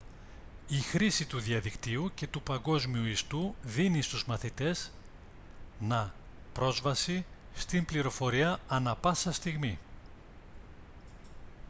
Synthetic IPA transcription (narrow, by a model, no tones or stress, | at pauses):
ixɾisit̪uðiɐðikt̪iuce̞t̪upɐŋɡo̞zmiuist̪uðinist̪uzmɐθit̪e̞z | nɐ | pɾo̞zvɐsi | st̪imbliɾo̞fo̞ɾiɐɐnɐpɐsɐst̪iɣmi